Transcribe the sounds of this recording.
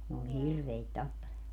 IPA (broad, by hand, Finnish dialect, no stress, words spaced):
n oːl ni hirʋeit tɑpːelemɑː